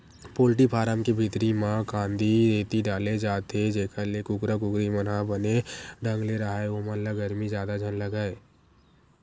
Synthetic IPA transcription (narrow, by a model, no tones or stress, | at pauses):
poːlʈ̬ipʰaːɾəmkebʱit̪ɾimãkãːnd̪ʱideːt̪iɖaːled͡ʒaːt̪ed͡ʒeːkʰalekʊkɾakʊkɾimənɦabəneɖə̃ŋɡleɾaɦaeomənləɡəɾmizjaːd̪ad͡ʒʱənləɡaːeː